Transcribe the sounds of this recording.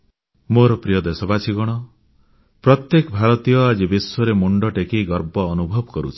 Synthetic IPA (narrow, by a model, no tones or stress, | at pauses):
moɾɔpɾijɔd̪esɔbasʰiɡɔɽ̃ɔ | pɾɔt̪jekɔbʱaɭɔt̪ijɔad͡ʒibiswɔɾemuɳɖɔʈekeɡɔɾbɔːnubʱɔbɔkɔɾṵt͡ʃʰi̥